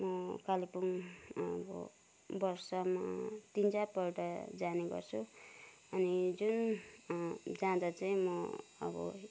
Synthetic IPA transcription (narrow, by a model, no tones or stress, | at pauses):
mʌkalipunʌbʌ̰ | bʌrsʌmat̪int͡sapʌrʈʌd͡zaneɡʌ̰rt͡sʰu | ʌnid͡zun | d͡zãd̪at͡saĩmʌʌ̰bʌ̰